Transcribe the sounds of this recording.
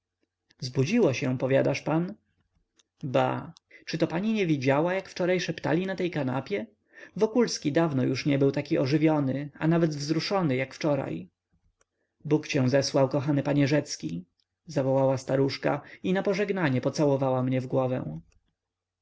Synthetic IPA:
zbud͡ʑiwaɕɛ̃pɔvʲjad̪aʂpan | ba̰t͡ʂɘt̪ɔpaɲiɲɛvʲid͡ʑawajakft͡ʂɔɾajʂɛpt̪a̰lʲinat̪ɛjkana̰pʲjɛ | vɔkulskʲid̪avnɔjuʂɲɛbɘwt̪akʲiɔʐɘvʲjɔnɘa̰navɛd̪vzɾuʂɔnɘjakft͡ʂɔɾa̰j | bukt͡ɕɛ̃zɛswawkɔxanɘpaɲɛʐɛt̪skʲi | zavɔwawast̪aɾuʂka̰inapɔʐɛɡnaɲɛpɔt̪sawɔvawamɲɛvɡwɔvɛ̰̃w̃

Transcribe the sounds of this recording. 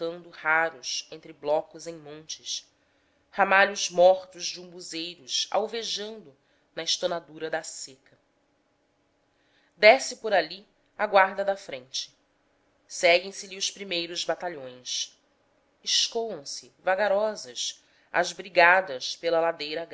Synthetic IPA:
tɐ̃nd̪ʊhaɾʊsẽnt̪ɾɪblɔkʊzẽj̃mõnt͡ʃɪs | hamaʎʊzmɔχt̪ʊzd͡ʒɪũbuzejɾʊʃa̰wveʒɐ̃nd̪ʊ | nɐɪʃt̪onad̪uɾɐd̪asekɐ | d̪ɛsɪpʊɾali | aɡwaɾd̪ɐd̪ɐfɾẽnt͡ʃɪ̥ | sɛɡẽj̃sɪliʊspɾimejɾʊzbat̪aʎõj̃s | ɪʃkowɐ̃w̃sɪvaɡaɾɔzɐs | ɐ̰zbɾiɡad̪ɐspelɐlad̪ejɾɐɡ

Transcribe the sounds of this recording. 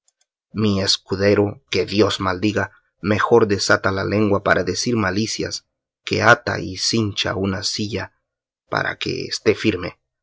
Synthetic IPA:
mie̞skuðe̞ɾoke̞ðjo̞smald̪iɣa | me̞xo̞ɾd̪e̞sat̪alale̞ŋɡwapaɾʔaðe̞siɾmalisja̰s | ke̞̰at̪a̰isint͡ʃa̰unasiʝa | pa̰ɾa̰ke̞̰ḛst̪e̞fiɾme̞

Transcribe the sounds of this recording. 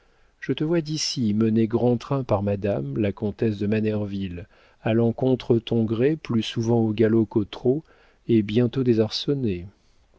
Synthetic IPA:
ʒ̥ət̪əvwad̪isiməneɡʁɑ̃t̪χɛ̃paʁmad̪amlakɔ̃t̪ɛsd̪əmanɛʁvil | alɑ̃kɔ̃t̪χət̪ɔ̃ɡʁeplysuvɑ̃oɡalokot̪χo | ebjɛ̃t̪od̪ezaʁsɔne

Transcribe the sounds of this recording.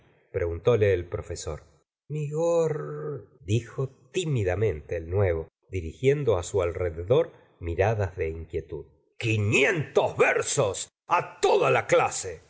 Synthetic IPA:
pɾeɣunt̪o̞leːlpɾo̞feso̞̰ɾ | miɣoɾd̪ixo̞t̪imiðamẽ̞nt̪eːlnwe̞β̞o̞ | d̪iɾixje̞nd̪oasualreðeðo̞ɾ | miɾaðazðe̞iŋkje̞t̪uð | kinjent̪ozβeɾsos | at̪oðalaklase

